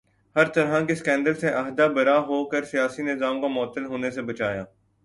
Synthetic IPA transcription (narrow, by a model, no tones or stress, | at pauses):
hɐɾt̪ɐɾɦakeskɛ̃ːnɖəlseʔɐɦd̪abɐɾaɦoːkəɾsijaːsinɪzaːmkamɔːt̪ːəlɦoːnesebɐt͡ʃaːjaː